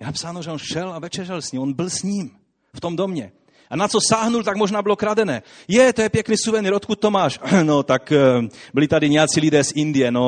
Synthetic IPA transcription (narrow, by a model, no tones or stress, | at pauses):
jɛnapsaːnoʒɛonʃɛlavɛt͡ʃɛɾʒɛlsɲiːmonbɪlsɲim | ft̪o̞md̪omɲɛ | ʔanat͡sosaːɦnult̪aɡmoʒnaːbɪlokɾadɛnɛːjɛt̪ojɛpjɛkniːsuvɛniɾot̪kut̪̚tːomaːʃnot̪akbɪlit̪adiɲɛjat͡silidɛːsind̪ɪjɛno